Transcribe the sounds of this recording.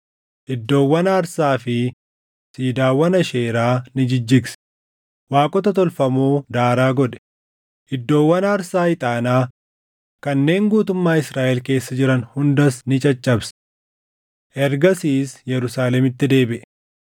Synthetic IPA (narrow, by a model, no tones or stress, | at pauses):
ʔɪd̪ːo̞ːwːɐnaːɾsaːfɪ | siːd̪aːwɐnɐʃeːɾaːnɪd͡ʒɪd͡ʒːɪɡs | waːkʼɔt̪ɐt̪ɔlfɐmoːd̪aːɾaːɡɔᶑ̪ɛ̥ | ʔɪd̪ːo̞ːwːɐnaːɾsaːɪt̪ʼaːnaː | kɐnːe̞ːŋɡuːt̪ʊmːaːɪsɾaːʔɛlke̞ːsːɐd͡ʒɪɾɐnhʊnd̪ɐsnɪt͡ʃʼɐt͡ʃʼːɐbs | ʔɛɾɡɐsiːsjɛɾʊsaːlɛmɪt̪ːɪd̪e̞ːbɪʔɛ